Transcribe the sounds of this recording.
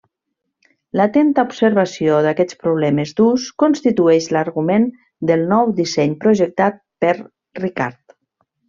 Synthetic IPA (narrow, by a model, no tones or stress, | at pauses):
lat̪ɛnt̪aubsəɾβasioðakɛt͡spɾuβ̞lɛmezd̪uskonst̪it̪uɛʃləɾɣumen | d̪əlˠnɔwd̪isɛɲpɾuʒək̚t̪at̪̚pəɾ | rika̰ɾt̪